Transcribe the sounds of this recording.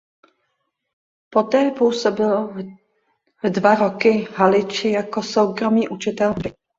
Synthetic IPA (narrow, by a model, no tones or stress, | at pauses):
po̞t̪ɛːpuːsobɪlo | dvaɾo̞kɪɦalɪt͡ʃɪjako̞sowkɾo̞miːʔut͡ʃɪt̪ɛlpɪ